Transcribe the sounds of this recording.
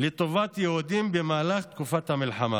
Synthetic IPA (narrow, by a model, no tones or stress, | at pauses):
let̪ovat̪jeud̪imbemaːlaχt̪kufat̪hamilħama̰